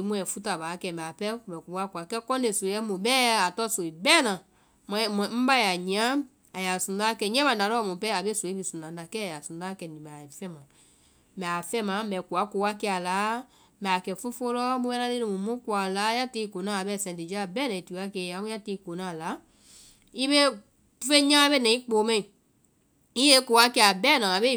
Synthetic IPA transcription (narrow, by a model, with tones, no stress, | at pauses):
i˨˦mũ˧ɛ̃˨fu˦ta˨baː˨˦kɛ˧˨mɛ̃˨a˨pɛ˦˨mɛ˨ku˨wa˦ku˨a˨kɛ˦kɔ̃˦de˨so˨˦ɛ˦mũ˨bɛː˦a˨tɔ˦so˨i˨bɛː˦˨nã˨ | m̃˧˦˨m̃˨m̩˦ba˦ja˨ɲĩ˨ã˦ | a˨ja˨sũ˨da˦kɛ˧˨ɲɛ̃˦mã˨da˨lɔ˦˨mũ˨pɛ˦a˨be˦so˨i˦bi˨sũ˨nã˨˦da˨kɛ˦a˨ja˨sũ˨˦a˦kɛ˧˨nĩ˨ma˨fɛ̃˦mã˨ | mɛ̃˨a˨fɛ̃˦mã˨˦bɛ˨ku˨a˨˦ko˨˧˦a˦kɛ˧˦a˨la˨˦ | mɛ˨a˨kɛ˧˨fũ˦fo˧˦lɔ˦bu˦ɛ̃˦nã˦le˦nĩ˨mũ˨mũ˦ku˧˨a˨la˨˦ja˦te˧˦˧ko˨nã˨˦˨a˨bɛ˨sɛ̃˨di˨d͡ʒa˦˨bɛː˦nɛ̃˨i˨ti˨˦a˦kɛ˧˨ã˨˦mũ˦a˦te˧˦ko˨˦nã˦˨la˨˦ | i˦be˦˧ | fẽ˦ɲã˦be˦nɛ̃˨ĩ˦k͡po˨˦mɛ̃˦˨ĩ˨ | i˦e˦ko˨˦wa˦kɛ˧˦a˨bɛː˦˨nã˨a˨be˦˨